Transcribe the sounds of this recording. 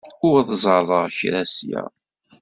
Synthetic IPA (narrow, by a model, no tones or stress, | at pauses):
ʊɾðzˤɑrˤːəʁçɾæsjæ̰